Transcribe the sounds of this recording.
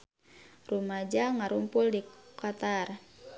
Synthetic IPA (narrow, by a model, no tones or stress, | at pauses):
rumad͡ʒaŋaɾumpʊldikat̪ar